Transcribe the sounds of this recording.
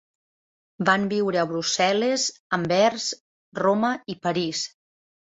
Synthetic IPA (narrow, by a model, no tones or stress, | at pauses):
bambiwɾəəβɾusɛləzəmbɛɾz | roməipəɾis